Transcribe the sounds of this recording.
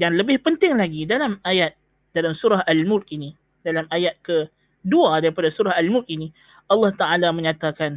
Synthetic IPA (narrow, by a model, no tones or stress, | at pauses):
jaŋləbɪhpənt̪ɪŋlaɡidalamajat̪̚ | d̥alamsuɾaɦalmʊlk̚ini | dalamajat̪̚kə | duadaɾipadasuɾaɦalmʊlk̚ini | ɑlːɑht̪aʔalamə̃ɲãt̪akan